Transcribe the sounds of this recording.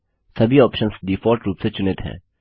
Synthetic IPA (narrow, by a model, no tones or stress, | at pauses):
sɐbʱiɔːpʃənsɖ̪ifɔːɾʈɾuːpset͡ʃʊnet̪ɦɛ̰̃ː